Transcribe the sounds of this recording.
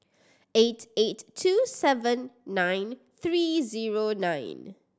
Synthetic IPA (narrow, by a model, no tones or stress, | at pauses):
etʰetʰːuːsɛvə̃nːãjn | θɹiːziɹonãɪ̃n